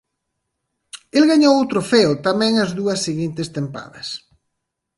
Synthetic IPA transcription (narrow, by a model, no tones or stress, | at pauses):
elɣaɲowowt̪ɾofɛot̪amɛ̃ŋɐzðuɐsːiɣint̪ɪst̪empa̰ðɐ̰s